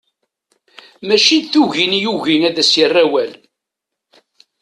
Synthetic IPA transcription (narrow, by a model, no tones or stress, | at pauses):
mæʃid̪θuʝinjuʝiŋæðæsərːæwæl